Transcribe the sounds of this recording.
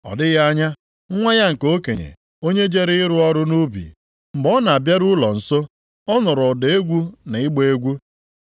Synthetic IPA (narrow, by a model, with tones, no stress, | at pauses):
ɔ̰˨dɪ˦ɣa˦ɲa˦ | ŋ̩˦ŋʷa˦ɲa˦ŋ̩˨ko˦ke˨ɲḛ˨ | o˦ɲe˦d͡ʒe˦ɾɪ˦ɪ˦ɾʊ˦ɔ˦ɾʊ˦nu˦bḭ˨ | m̩˨ɡ͡bɔ˦na˨a˨bja˦ɾu˦lɔ˨n̩˨so˦ | ɔ˦nʊ˨ɾʊ˨de˦ɡʷu˦na˨ɪ˦ɡ͡be˦ɡʷu˦